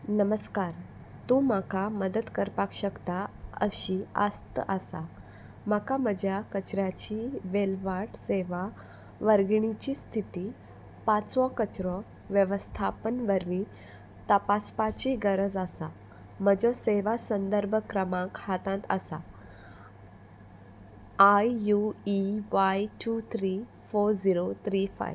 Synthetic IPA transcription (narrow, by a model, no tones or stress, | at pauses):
nəməskaɾ | t̪ũmakaməd̪əd̪kəɾpakɕəkt̪aə̰ɕia̰st̪əəsa | makaməd͡ʑjakət͡ɕɾjat͡ɕiʋelʋaʈseʋa | ʋəɾɡɳit͡ɕiːst̪ʰit̪i | pat͡sʋɔkət͡ɕɾɔ | ʋjəʋəst̪ʰapənʋəɾʋĩ | t̪əpaspat͡ɕiɡəɾəd͡zasa | məd͡zɔseʋasənd̪əɾbʱkɾəmãkhat̪ãt̪a̰sa̰ | ajjuiʋajʈut̪ʰɾi | foɾd͡ziɾot̪ʰɾifa̰j